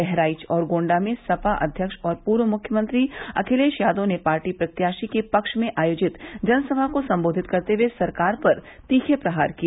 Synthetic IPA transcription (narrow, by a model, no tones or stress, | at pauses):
ɛɦɾaːɪt͡ʃɔːɾɡõːɳɖamẽsɐfaʔɐ̰d̪ʱjəkʃɔːɾpuːɾʋəmʊkʰjəmə̃nt̪ɾiɐ̰kʰɪleːʃjaːd̪õnepaːɾʈipɾɐt̪jaːʃikepɐkʃmẽʔaːjoːd͡ʒɪt̪d͡ʒɐnsɐbʱakosɐ̃mboːd̪ʱɪt̪kɐɾt̪ewesɐɾkaːɾpɐɾ | t̪iːkʰepɾɐɦaːɾki